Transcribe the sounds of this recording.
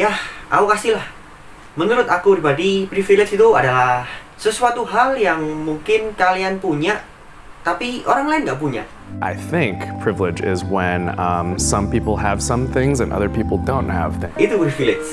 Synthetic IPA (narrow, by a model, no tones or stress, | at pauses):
jahʔaukasilah | mənuɾʊt̪akupɾibadipɾifilet͡ʃit̪uadalah | səsuat̪uɦaljaŋmuŋkɪnkalianpuɲaʔ | t̪apioɾaŋlaɪnɡaʔp̬uɲa̰ʔ | ʔa̰ɪθɪ̃ŋkpʰɹ̥ɪvlɪd͡ʒɪ̰zwɛ̃nʌmsʌ̃mpipl̩ˠəv̥sʌ̃mθɪ̃ŋzɨ̃nʔʌ̰ðə˞pipl̩ˠdõʊ̃nt̚hə̰v̥it̪upɾifilɪs